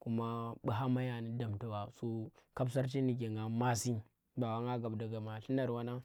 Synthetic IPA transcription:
ku˦ma˦ɓu˦ɦa˦ma˦ja˨ni˦da˨mta˦wa˨so˦ka˦bs̬a˦ɾt͡ʃi˦ni˨ɡ̬e˨ŋɡa˨ma˦si˦ | ba˨wa˦ŋɡa˦ɡa˨bda˨ɡa˨ma˨ɬi˦na˨ɾwa˦na˦

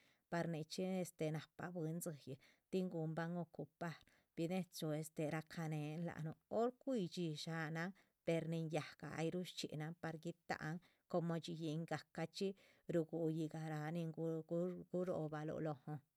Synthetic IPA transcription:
pa˧ɾni˧t͡ʃi˦e˧st̪e˧na˨pa̰˧bɨ˧˦nzɨ˧jɨ˨ | t̪i˦ŋɡu˧mba˦ŋo˧ku˧pa˦ɾ | b̥i˧ne˦t͡so˧e˧st̪e˧ɾa˧kʰa˧ne˧nla̰˨nu˧o˦ɾkʷi˦˧t͡ʃi˧ʃa˧na˧ | pe˧ɾni˧nja˨ɡ̥a̰˨a̰˧jɾu˦ʃt͡ʃḭ˨na˧pa˧ɾɡi˦t̪a̰˨ʔŋ | ko˧mo˧t͡ʃi˧ji˧ŋɡa˨ka˧t͡ʃi˦ | ɾu˧ɡu˧ji˧ɡa˨ɾa˧ni˧ŋ˧˦ɡu˦ɾo̰˧ba˧lo̰˧lo˧ho˧

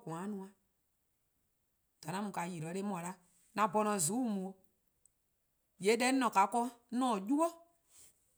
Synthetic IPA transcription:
kũ˨ã˨˦nũ˧ã˨ | d̥a˨nã˦mũ˨ka˨ji˨ɾɔ˨˦le˦mɔ̃˨la˦ | nã˨bɔ˧nɔ̃˧˨zu˨˦mũ˨o˧ | je˨˦dɛ˦nɔ̃˨ka˨˦kɔ˦nɔ̃ː˦˨ju˦wɔ˦

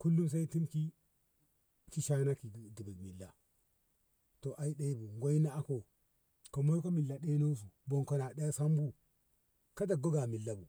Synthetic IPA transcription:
ku˦lːu˦ms̬a˦i˦ti˦mki˦ | ki˦ʃa˦na˦ki˨di˨bi˨kmi˨lːa˨ | to˨ʔa˨i˦ɗa˦i˦bu˨ŋɡʷa˦i˦na˦a˦ko˨ | ko˨mo˦jko˦mi˨lːa˨ɗe˦no˦s̬u˨bo˨nko˨na˨ɗa˦ja˦sa˦mbu˦ | ka˦da˨ɡo˦ɡa˨mi˨lːa˦bu˨

